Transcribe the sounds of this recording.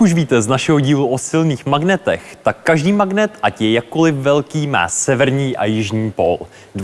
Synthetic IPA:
uʃviːt̪ɛznaʃɛɦo̞ɟiːluʔosɪlniːxmaɡnɛt̪ɛxt̪akːaʒdiːmaɡnɛt̪ʔacjɛjakːolɪfvɛlkiːma̰ːsɛvɛɾɲiːʔa̰jɪʒɲiːpol | d

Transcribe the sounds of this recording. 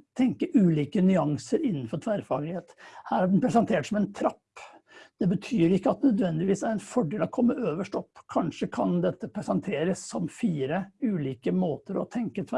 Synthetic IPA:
t̪ʰɛŋkəʔʉːliːkənʏɑŋsəɾɪnːən̩fɔʈʰʋæɾfɑːɡlɪheːt̪hæːɾæɖɛnpʰɾɛsɑnt̪ʰeːʈsɔmɛnt̪ʰɾɑpː | d̪̥ɛbət̪ʰyːɾɪkːəɑt̪nœd̪ʋɛnd̪ɪʋiːsæɾɛnfɔɖeːlɑkʰɔmːəʔøːʋəʂʈɔpːkʰɑnʂəkʰɑnd̪ɛt̪ːəpʰɾɛsɑnt̪ʰeːɾəsːɔmfiːɾəʉːliːkəmoːt̪əɾɔ̰t̪ʰɛŋkət̪ʰʋæ

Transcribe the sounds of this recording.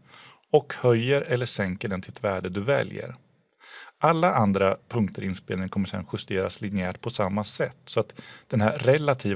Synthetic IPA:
ɔkhœjːəɾɛlːəʂɛŋkəɖɛnt̪ʰɪlɛt̪ʰvæːɖəd̪ɵvɛ̰ljə̰ɾ | ʔalːaʔand̪ɾapʰɵŋkt̪əɾɪnspḛːlnɪŋkʰɔmːəʂɛ̰nɧʏst̪eːɾa̰slɪnɪæːʈpʰɔsamːasɛt̪ːsɔat̪d̪̥ɛnɦæɾɛlːat̪ʰiː

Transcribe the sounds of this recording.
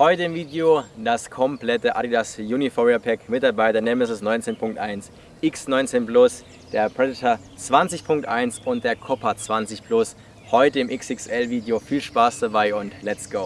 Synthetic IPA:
hɔʏtəɪmviːdeod̥askʰɔmplɛtəʔa̰ɾidasjuːnifɔʁiapʰɛkmɪtaɐbaɪtɐnɛməsəsnɔʏnt͡seːnpʰʊŋk̚tʔaɪns | ʔɪksnɔʏnt͡seːnplʊs | d̥eːɐpʁ̥ɛdɪtʰɐ | t͡sv̥ant͡sɪçpʰʊŋk̚tʔaɪnsʊntd̥eːɐkʰɔpʰat͡sv̥ant͡sɪçplʊs | hɔʏtəɪmʔɪksɪksʔɛlviːdeofiːlʃpaːsd̥abaɪʊntlɛt͡sɡ̥oʊ

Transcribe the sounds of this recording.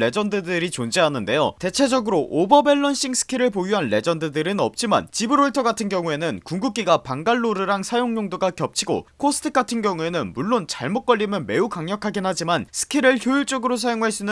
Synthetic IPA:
e̞d͡ʑʌndɯdɯɾit͡ɕond͡ʑeɦanɯnde̞jo̰te̞t͡ɕʰe̞d͡ʑʌɡɯɾoʔobʌbe̞ɭːʌnɕ͈iŋsʰɯ̥kʰiɾɯɭpojuɦanːe̞d͡ʑʌndɯdɯɾɯnʌp̚t͡ɕ͈ima̰nt͡ɕibɯɾoɭtʰʌɡatʰɯnɡjʌŋue̞nɯnkuŋɡuk̚k͈iɡapaŋɡaɭːoɾɯɾaŋsʰajoŋɲoŋdoɡakjʌp̚t͡ɕʰiɡo̰kʰos͈ʰɯ̥tʰɯk̚ɡ͈atʰɯnɡjʌŋue̞nɯnmuɭːont͡ɕaɭmot̚k͈ʌʎːimjʌnme̞ukaŋɲʌkʰaɡinɦad͡ʑimansʰɯ̥kʰiɾɯɭçjoiɭt͡ɕ͈ʌɡɯɾos̬ʰajoŋɦaɭs͈unɯ

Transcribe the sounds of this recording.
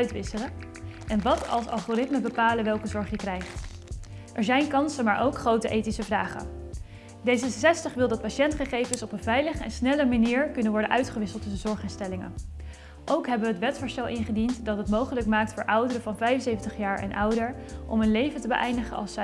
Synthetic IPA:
ɥtʋɪsələ | ʔɛnʋɑtɑ̰lˠsɑ̰lˠχorɪtməbəpaːləʋɛlˠkəzɔɹχjəkrɛjχt | ʔɛɹzɛjnkɑnsənmaːɹʔowkχrowtəʔejtisəvraːχə̰ | dejzəsɛstəχʋɪlˠdɑt̚paʃɛntχəχejvənsɔpənvɛjləχəɛ̰nsnɛləmaniːɹkɵnənʋɔɹdənʔœɥtχəʋɪsəlˠtːɵsənzɔɹχɪnstɛlɪŋə̰n | ʔowkɦɛbəʋəətʋɛtfɔɹstɛlˠʔɪnχədintdɑtɦətmowχələkmaːk̚tfʊːɹʔʌwdəɾəvɑnvɛjənsejvəntəχjaːɹɛ̰nʔʌwdəɹʔɔ̰mənlejvəntəbə̰ʔɛjndəχə̰ɑ̰lˠsɛ

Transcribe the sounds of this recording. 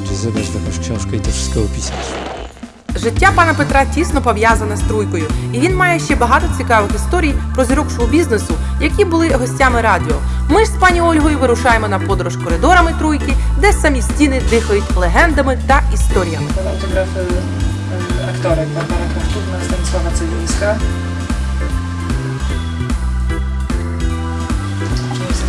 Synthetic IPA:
t͡ʃɪzɪbɐʒt̪ɐkɔʃt͡ʃɛnʃkɐjt̪ɛʃɪ̥sʲkɔɦɔpʲisʲnɐs | ʒɪtʲːapɑnɐpet̪ɾɑtʲisnɔpɔʋjazɐnɛst̪ɾujkɔjʊiʋʲinmɑjɛʃt͡ʃɛbɐɦɑt̪ɔt͡sʲikɑʋɪxist̪ɔɾʲijpɾɔzʲiɾɔkt͡ʃɔɦɔbʲiznesʊ | jɐkʲibʊlˠɪɦɔsʲtʲamɪɾɑdʲɪɔ | mɪspɑnʲiɔlʲɦɔjʊʋɪɾʊʃɑjemɔnɐpɔd̪ɔɾɔʃkɔɾɪd̪ɔɾɐmɪt̪ɾujkɪd̪ɛsɐmʲisʲtʲinɪd̪ɪxɐjʊtʲlˠeɦɛnd̪ɐmɪt̪ɐist̪ɔɾʲijɐmɪɐlɐ̰wt̪ɔɦɾafɪj | ɐkt̪ɔɾɪpɐpɑnɐkɐt̪ut̪nɐst̪ɐnsɔnɐt͡s̪ʲɛd̪ɔʋʲisʲka

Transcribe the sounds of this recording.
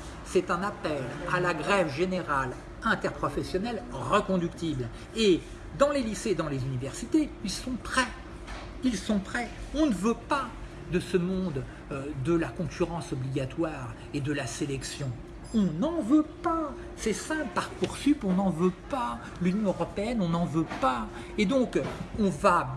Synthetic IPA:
sɛt̪ɛ̃napɛlalaɡʁɛvʒeneʁal | ɛ̃t̪ɛʁpχɔfɛsjɔnɛlʁəkɔ̃d̪ykt̪ibl | e | d̪ɑ̃lelised̪ɑ̃lezynivɛʁsit̪eilsɔ̃pχɛ | ilsɔ̃pχɛɔ̃nəvøpa | d̪əsəmɔ̃d̪ | d̪əlakɔ̃kʲyʁɑ̃sɔbliɡʲat̪waʁ | ed̪əlaselɛksjɔ̃ | ɔ̃nɑ̃vøpa | sɛsɛ̃ppaʁkuʁsypɔ̃nɑ̃vøpa | lynjɔ̃øʁɔpeɛnɔ̃nɑ̃vøpa | ed̪ɔ̃kɔ̃va

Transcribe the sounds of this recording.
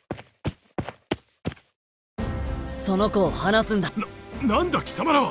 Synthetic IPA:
so̞no̞ko̞ːhanasɨ̃nd̪anãnd̪akʲi̥samaɾaβa

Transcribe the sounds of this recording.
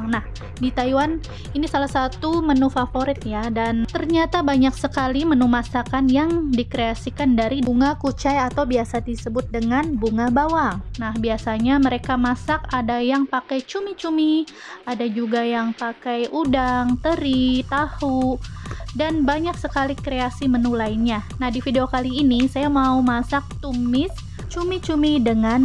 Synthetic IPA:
nah | dit̪aiwan | inisalahsat̪umənufafoɾɪt̪̚jadant̪ərɲat̪abaɲaksəkalimənumasakanjaŋdikɾeasikandaɾiduŋakut͡ʃajat̪awbiasad̪isəbʊt̪̚dəŋanbuŋabawaŋnahbiasaɲaməɾekamasak̚adajaŋpakɛjt͡ʃumit͡ʃumi | adad͡ʒuɡajaŋpakajudaŋt̪əɾit̪ahu | danbaɲak̚səkalikɾeasimənulajɲanahdifideokaliːnisajamaumasak̚t̪umɪs | t͡ʃumit͡ʃumidəŋan

